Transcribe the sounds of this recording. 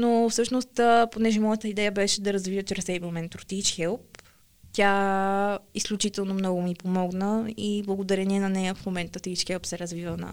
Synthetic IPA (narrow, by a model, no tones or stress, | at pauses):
nofsɤʃnost̪ːponɛʒɛmɔjət̪əid̪ɛjəbɛʃɛd̪ɐɾɐzvivət͡ʃɾɛsɛjblˠmɛnt̪ɾot̪it͡ʃxɛlˠp̚ | t̪ʲa | isklʲut͡ʃit̪ɛlˠnomnɔɡʊmipomɔɡnəiblˠəɡod̪ɐɾɛniɛnɐnɛjəfmomɛnt̪ət̪it͡ʃxɛlˠpsɛɾɐzvivənɐ̰